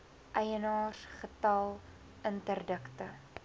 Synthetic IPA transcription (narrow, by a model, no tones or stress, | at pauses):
ʔɛjənɑːrχətɐlˠ | əntərdəktə